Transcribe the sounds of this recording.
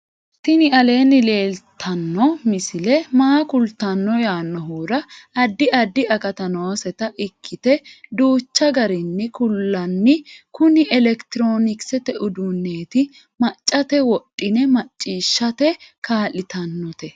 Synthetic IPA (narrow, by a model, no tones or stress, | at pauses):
t̪ɪnɪɐle̞ːnːɪle̞ːlt̪ʰɐnːɔmɪsɪlɛmaːkʊlt̪ɐnːɔjaːnːɔɦuːɾɐɐd̪ːɪʔɐd̪ːɪɐkɐt̪ɐnoːsɛt̪ɐʔɪkʰːɪt̪ɛd̪uːt͡ʃːɐɡɐɾɪnːɪkʊlːɐnːɪkʊnɪʔɛlɛkt̪ɪɾo̞ːnɪksɛt̪ɛʔʊd̪ʊnːeːt̪ɪ | mɐt͡ʃʼːɐt̪ɛwɔɗʼːɪnɛmɐt͡ʃʼːiːʃːɐt̪ɛkaːlɪt̪ɐnːɔt̪ɛ